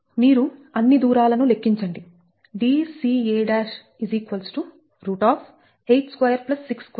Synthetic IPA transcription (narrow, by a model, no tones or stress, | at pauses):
miːɾuɐnːid̪uːɾaːlɐnule̞kːiɲt͡ʃɐɳɖi | ɖiːsiːeːɖaːʃ | iziːkʋɐlsʈu | ɾuːʈaːpʰ | ejʈskʋɐjɐɾplɐsːiksk